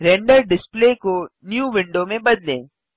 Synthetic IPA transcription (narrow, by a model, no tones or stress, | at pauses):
ɾɛ̃ɳɖəɾɖɪspleːkonjuːʋɪ̃ɳɖomẽbɐd̪lḛ̃ː